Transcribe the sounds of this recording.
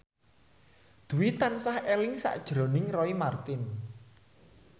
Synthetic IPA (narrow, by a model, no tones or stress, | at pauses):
d̪̥ṳwit̪ansahɛlɪŋsa̰ʔd̥ʒ̥ɾo̤nɪŋrɔimart̪ɪn